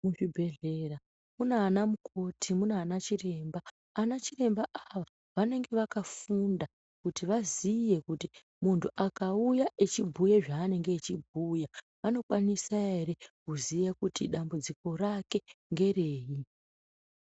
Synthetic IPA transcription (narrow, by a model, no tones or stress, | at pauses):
muʐibʱe̞ɮe̞ra | munaːnamukʰo̞tʰimunaːnat͡ʃire̞mbaː | nat͡ʃire̞mbaʔaʋa | ʋane̞ŋɡe̞ʋakafunda | kutiʋazije̞kuti | muntʰuʔakaujaʔet͡ʃibʱujeʐaːne̞ŋɡeːt͡ʃibʱuːja | ʋano̞kwanisae̞ɾe̞kuzijakutiɗambud͡ziko̞rake̞ŋɡe̞re̞ːji